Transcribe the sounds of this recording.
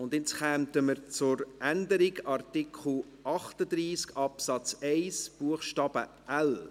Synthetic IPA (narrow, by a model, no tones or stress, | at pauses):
ʊnd̪ɪt͡sχæːmtəməɾt͡sʊɾʔændəɾiɡɑrtikʰχl̩ | ʔɑχtəd̪ɾiːskɑpsɑt͡sɛɪsb̥uəχʃtɑːb̥ə | ʔæl